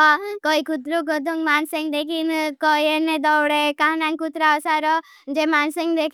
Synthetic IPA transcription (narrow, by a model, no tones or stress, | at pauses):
kɔikut̪ɾukɔd̪ʱuŋɡmanseŋɡd̪ekʰinkɔjened̪ɔwɽekaɦnaŋkut̪ɾasaɾɔ | d͡ʒemansəŋɡd̪ekʰ